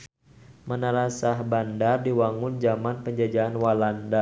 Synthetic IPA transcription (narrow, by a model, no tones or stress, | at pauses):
mənaɾasahbandardiwaŋʊnd͡ʒamanpəɲd͡ʒad͡ʒaːnwalanda